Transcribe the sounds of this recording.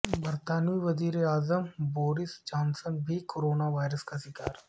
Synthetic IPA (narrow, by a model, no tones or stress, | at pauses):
bəɾt̪aːniʋɐziːɾeaːzəmboːɾɪsd͡ʒãːnsənbʱikoɾoːnaʋaːɪɾəskaʃɪka̰ːɾ